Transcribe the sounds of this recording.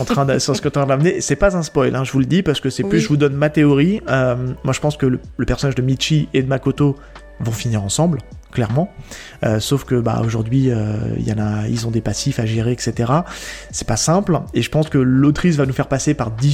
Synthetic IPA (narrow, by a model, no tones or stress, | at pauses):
ɑ̃t̪χɛ̃d̪sɑsə̥kət̪ɑ̃d̪amənesɛpazɛ̃spɔjlʔɛ̃ʒəvuləd̪ipaʁsə̥kəsɛplyʒəvud̪ɔnmat̪eɔʁiømmwaʒəpɑ̃skələləpɛʁsɔnaʒd̪əmiʃied̪əmakot̪o | vɔ̃finiʁɑ̃sɑ̃blklɛʁmɑ̃ | ø̰sofkəba̰o̰ʒuʁd̪ɥiø̰ḭljɑ̃naḭlzɔ̃d̪epasifaʒeʁeɛkset̪eʁasɛ̥pasɛ̃pleʒəpɑ̃skəlot̪χis̬vanufɛʁpasepaʁd̪i